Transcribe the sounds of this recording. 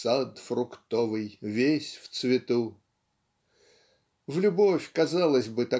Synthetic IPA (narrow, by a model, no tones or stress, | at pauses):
sat̪frʊkt̪ovɨjvʲesʲft̪svʲɪt̪u | vlʲʊbofʲkɐzalˠəzʲbɨt̪ɐ